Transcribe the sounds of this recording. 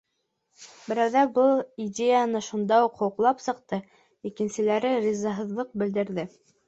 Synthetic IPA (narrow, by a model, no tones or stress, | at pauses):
bɘ̆ɾæwðæbɤlˠidʲejanɤʃund̪ɑuqhŏwɤ̆qlˠɑpsɤ̆qt̪ɤ | ikɘ̆nsɘ̆læɾɘɾʲizɑɦɤ̆ðlˠɤq̚bɘ̆ld̪ɘ̆ɾðɘ